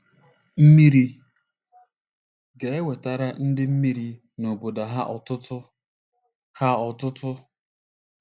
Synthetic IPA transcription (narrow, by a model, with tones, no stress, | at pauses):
m̩˦mi˦ɾi˦ | ɡe˨e˦we˨ta˨ɾa˦n̩˦dɪ˦m̩˦mi˦ɾi˦ | no˨bo˨da˨ɦa˦ʔɔ˨tʊ˦tʊ˦ | ha˦ɔ˨tʊ˦tʊ˦